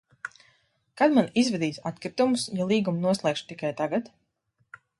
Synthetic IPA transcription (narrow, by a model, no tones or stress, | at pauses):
kad̪manizvɛd̪iːsat̪kɾit̪umusjalˠiːɡumnuɔslˠɛːkʃt̪ikajt̪aɡat̪